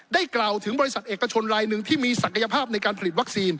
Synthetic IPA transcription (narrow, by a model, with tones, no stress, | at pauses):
da˥˩jklaː˨˩wt̪ʰɯ˩˦ŋbɔː˧ɾi˧˥sa˨˩t̪ʔeː˨˩kːa˧t͡ɕʰo˧nɾaː˧jnɯ˨˧ŋt̪ʰiː˥˩miː˧sa˨˩kʰːa˧ja˧pʰaː˥˩p̚na˧jkaː˧npʰa˧li˨˩wa˦˥k̚siː˧n